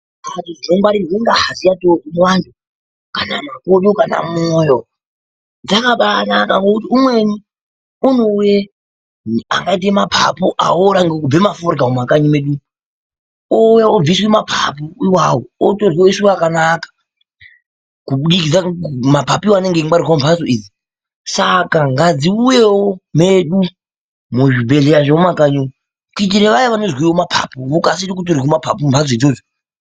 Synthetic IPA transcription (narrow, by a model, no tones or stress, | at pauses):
atiʐinoŋɡwaɾineŋɡaɦazijatokumwantʰu | kananakoɗokana̰moːjo | nd͡zakaɓanakaŋɡokut̬iumwe̞ni | unoje | a̰ŋɡait̬emapʰa̰poʔa̰oɾaŋɡekub͡vemafoɾɡaumakaɲimeɗu | ojeob͡viswe̞mapʰa̰poiwawootoriwoisuakanakḁ | kuɗikid͡zamapapiwaneŋɡeŋaɾikaombʰʱazoiːd͡zi | sakaŋɡad͡ziujewomeɗu | muʐibʱe̞ɮejaʐeomakaɲu | kuit̬iɾeʋajaʋanozwiwomapʰa̰pookasiɾikut̬orikumapʰapombʰʱazoid͡zoːzo